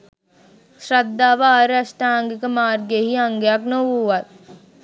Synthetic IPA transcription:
sɾɐd̪ːaːʋaːɾɐʃʈaːŋɡkəmaːɾɡeɦiɐŋɡjaːknoʋuːʋɐt̪̚

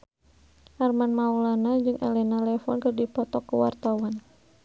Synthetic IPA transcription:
harmanmaulanad͡ʒɨŋʔɛ̰lɛnalɛfɔnkərdipɔt̪ɔkːəwa̰rt̪awan

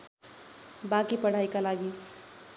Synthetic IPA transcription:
bãkipəɽ̤aikalaɡi

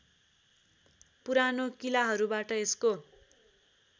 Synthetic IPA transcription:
puɾanokilaɦʌɾubaʈʌesko

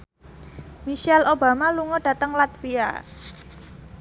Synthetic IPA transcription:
miʃɛlʔoba̤maluŋɔd̥a̤t̪əŋlat̪fia̰

